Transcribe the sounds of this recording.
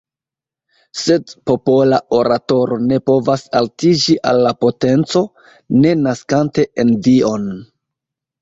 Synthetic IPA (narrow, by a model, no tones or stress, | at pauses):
se̞dpo̞po̞lao̞ɾato̞ɾo̞ne̞po̞vasaltid͡ʒiʔalːapo̞te̞nt͡so̞ | ne̞naskante̞ʔenvio̞n